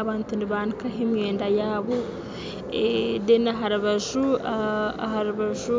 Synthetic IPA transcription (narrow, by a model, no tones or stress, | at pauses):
aβaːntuniβaːnikaɦemjeːndajaːβo | edenaɦaɾaβaʃu | ɦaɾuβaʒu